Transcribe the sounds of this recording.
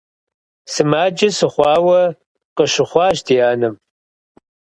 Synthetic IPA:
sɨmaːd͡ʒɪsɨχʷɑːwɐ | qəʃɪχʷɑːʃtʰijaːnɨm

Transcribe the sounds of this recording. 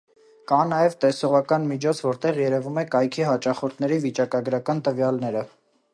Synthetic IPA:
kɑnɑjɛvt̪ɛsɔʁɑkɑnmit͡ʃʰɔt͡sʰvɔɾt̪ɛʁjɛɾɛvumɛkɑjkʰiɦɑt͡ʃɑχɔɾt̪ʰnɛɾivit͡ʃɑkɑɡɾɑkɑnt̪əvjɑlnɛɾə

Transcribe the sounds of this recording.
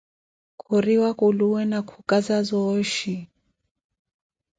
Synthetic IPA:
kʰuɾiwakuluwɛnakʰukazazɔʃi

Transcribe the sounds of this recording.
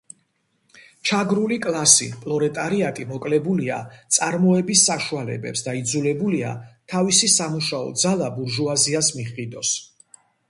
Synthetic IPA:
t͡ʃʰaɡɾulikʼlˠasḭpʼlˠɔɾɛt̪ʼaɾiat̪ʼimɔkʼlɛbulia̰t̪sʼaɾmɔɛbisːaʃualɛ̰bɛ̰psd̪aid̪zulɛbulia̰t̪ʰavisisamuʃaɔ̰d̪zalˠabuɾʒuaziasmiχid̪ɔs

